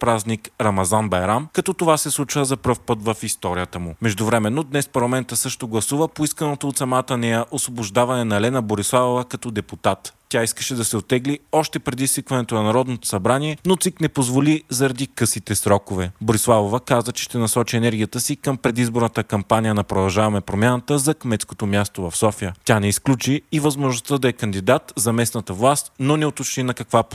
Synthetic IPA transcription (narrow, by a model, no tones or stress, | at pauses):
pɾaznikɾɐmɐzanbɐjɾamkɐt̪ɔt̪ovasɛslˠut͡ʃvəzɐpɾɤfpɤt̪vəfist̪ɔɾijət̪əmʊmɛʒd̪ʊvɾɛmɛnːod̪nɛspɐɾlˠɐmɛnt̪əsɤʃt̪oɡlˠɐsuvəpoiskənot̪oːt̪sɐmat̪ənɛjəʔosvobʊʒd̪avɐnɛnɐɛlɛnəboɾislˠavovəkɐt̪ɔd̪ɛput̪at̪ːʲaiskəʃɛd̪ɐsɛot̪ːɛɡliɔʃt̪ɛpɾɛd̪isvikvɐnɛt̪onɐnɐɾɔd̪not̪o̥sɐbɾaniɛnot̪siknɛpozvolizɐɾɐd̪ikɤsit̪ɛsɾɔkovɛboɾislˠavovəkazət͡ʃɛ̥ʃt̪ɛnɐsɔt͡ʃiɛnɛɾɡʲijət̪əsikəmpɾɛd̪izboɾnət̪əkɐmpanijənɐpɾod̪ɐlˠʒavɐmɛpɾomʲjanət̪əzɐkmɛt̪sko̥t̪omjast̪ovɐfsɔfijət̪ʲanɛisklʲut͡ʃiːvɐzmoʒnʊst̪əd̪ɐɛkɐnd̪id̪at̪zɐmɛsnət̪əvlˠast̪nonɛot̪ot͡ʃninɐkɐkvap